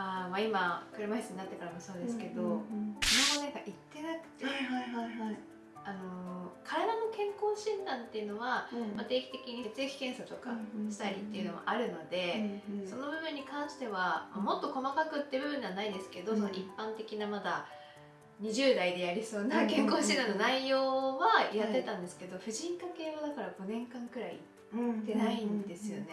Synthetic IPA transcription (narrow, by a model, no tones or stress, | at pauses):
amaimakɯ̟ɾɯmaisɨɲinat̪ːekoɾamoso̞ːd̪esɨ̥ke̞d̪o̞sonokoeɡaʔit̪ːe̞nakɯ̥t̪e | ano̞kʰaɾad̪ano̞kẽ̞ŋko̞ːɕĩnd̪ãnt̪ːe̞jɯ̟no̞βamat̪e̞ːkʲi̥t̪e̞kʲiɲ̟iset͡sɨekʲi̥kẽ̞ɰ̃sat̪o̞kaɕi̥t̪aɾʲit̪ːe̞iɯ̟no̞̰mo̰ʔaɾɯ̟no̞d̪e̞so̞no̞bɯ̟bɯ̟̃ɲ̟ːikãɰ̃ɕi̥t̪e̞βamamo̞t̪ːo̞ko̞makakɯ̟t̪ːe̞bɯ̟bɯ̟̃ɲd͡ʑanaid̪e̞sɨ̥ke̞d̪o̞so̞no̞ipːãnt̪e̞kʲinamad̪a | ɲ̟iʑɨːd̪aid̪e̞jaɾʲiso̞ːnakẽ̞ŋko̞ːɕĩnd̪ãnːo̞naijo̞ːβajae̞t̪ãnd̪e̞sɨ̥ke̞d̪o̞ɸɯ̟ʑĩŋkake̞ːβad̪akaɾaɡo̞nẽ̞ŋkãŋkɯ̟ɾaḭ | t̪ːe̞naĩnd̪e̞sɨjo̞̰ne̞